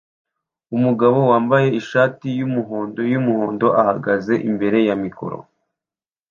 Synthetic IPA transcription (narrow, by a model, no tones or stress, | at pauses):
umuɡaβo̞waːmbaje̞iʃaːtijumuɦo̞ːndo̞jumuho̞ːndo̞ʔahaɡaze̞ʔimbe̞ɾe̞jamiko̞̰ɾo̰